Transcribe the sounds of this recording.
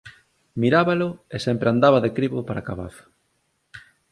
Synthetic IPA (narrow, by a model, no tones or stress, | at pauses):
miɾaβalʊesempɾeand̪aβɐðekɾiβo̰paɾakaβa̰θḁ